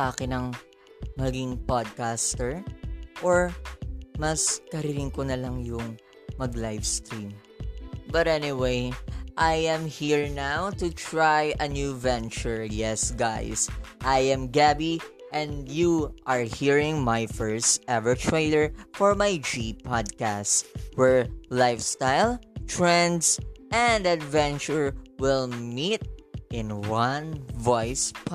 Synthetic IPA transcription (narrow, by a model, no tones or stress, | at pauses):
ʔaːkɪnɐŋ | mɐɡɪŋpad̪̚kast̪ɛɹʔoɹ | mɐskɐɾɪɾɪŋkonɐlaŋjʊŋ | mɐɡlajvst̪ɾĩm | bɐt̪ɛnɪwejʔajɛ̃mhiɹnawt̪ut̪ɹajɐnjuvɛ̃nt͡ʃʊɹjɛsɡajsʔajɛ̃mɡæbi | ʔɛ̃njuʔaɹhiɹɪ̃ŋmajfɜɹst̪ʔɛvəɹtʰɹeɪləɹfɔɹmajd͡ʒipʰad̪̚kæstwɛɹlaɪfst̪aɪlˠt̪ɹɛ̃nd̪sʔɛ̃nd̪ad̪vɛ̃nt͡ʃʊɹwɪlˠmit̪̚ʔɪ̃nwʌ̃nvɔjsp